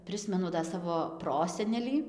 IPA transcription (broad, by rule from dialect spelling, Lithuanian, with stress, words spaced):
ˈpʲrʲɪsʲmʲɛnʊ dɐ ˈsɑːʋoː ˈproːsʲɛnʲɛlʲiː